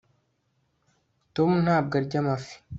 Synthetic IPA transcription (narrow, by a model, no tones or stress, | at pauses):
tomun̥haːb̚ɡaɾɟamafi̥